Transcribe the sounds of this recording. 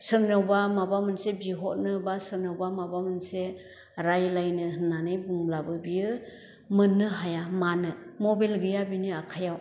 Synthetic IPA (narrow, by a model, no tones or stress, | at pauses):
sɯɾnawbamabamɯnsebiɦɔtnɯbasɯɾnawbamabamɯnse | ɾajlajnɯhɯnːanɯjbuŋlabɯbijɯ | mɯnːɯɦajamanɯmɔbelɡɯjabiniakʰajaw